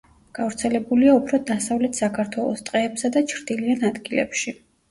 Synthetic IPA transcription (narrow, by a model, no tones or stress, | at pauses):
ɡ̥avɾt̪sʰɛlɛbuliaupʰɾɔd̪asavlɛt̪ʰsakʰaɾt̪ʰwɛlˠɔ̰st̪ʼqʼɛːpsad̪at͡ʃʰɾd̪̥ilianad̪ɡilɛ̰pʃi